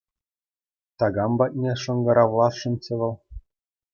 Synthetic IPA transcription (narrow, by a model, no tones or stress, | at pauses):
t̪ɑɡɑmbɑt̚ʲnʲeʂɤ̆ŋɡɤ̆ɾɑʋlˠɑsʂɤ̆nʲt͡ɕɤ̆ʋɤ̆lˠ